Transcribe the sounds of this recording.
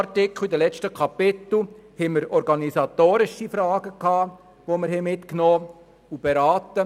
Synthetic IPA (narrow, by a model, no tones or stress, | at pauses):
tɪkχid̪əlɛt͡ʃtəkʰɑpɪt̪l̩hɛməɾɔɾɡɑnisɑt̪oːɾɪʃifɾɑːɡ̥əkhɑː | ʋoməɾhɛmɪt̪knoː | ub̥eɾɑːt̪ə